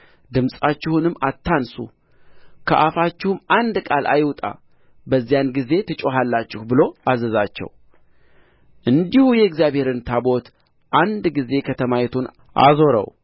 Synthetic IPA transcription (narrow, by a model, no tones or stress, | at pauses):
d̪ɨmsʼat͡ʃːɪhunɨmːat̪ːansṵ | kʰəʔafat͡ʃːɪhumand̪kʼalʔa̰jwt̪ʼa̰ | bəzːijanɡize̞t̪ʰɨt͡ʃʼoɦalːat͡ʃːɪhbɨlo̞azəzat͡ʃːɛ̰w | ʔɨnd̪ihujɛɨɡzijaβhe̞ɾɨnt̪ʰabo̞t̪ | ʔand̪ɡize̞kʰət̪ʰəmajɛt̪ʰun | ʔa̰zo̞ɾə̰w